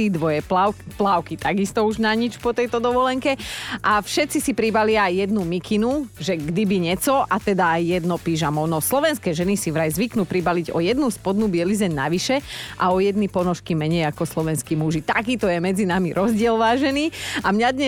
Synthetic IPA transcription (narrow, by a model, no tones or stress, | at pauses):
id̪ʋɔjɛplaːʊkit̪aɡist̪ɔuʒnaɲit͡ʃpɔt̪ɛjt̪ɔd̪ɔʋɔlɛŋkɛʔafʃɛt̪t͡sisipɾibalɪaːjːɛd̪numikʰinuʒɛɡd̪ibiɲɛt͡sɔʔat̪ɛd̪aːjːɛd̪nɔpiːʒamɔnɔslɔʋɛnskɛːʒɛnisiʋɾajzʋiknuːpɾibaliɟɔ̰jɛd̪nuspɔd̪nubɪɛlizɛɲna̰ʋiʃɛʔa̰ɔjɛd̪nipɔnɔʃkimɛɲɛjakɔslɔʋɛnskiːmuʒit̪akiːt̪ɔjɛmɛd͡zinamiɾʔɔzɟɪɛlʋaːʒɛniamɲad̪ɲɛ